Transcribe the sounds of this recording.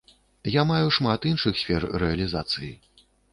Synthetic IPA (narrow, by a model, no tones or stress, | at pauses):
jamajuʂmat̪inʂɨxsʲfʲɛrrɛɐlʲizat̪sɨji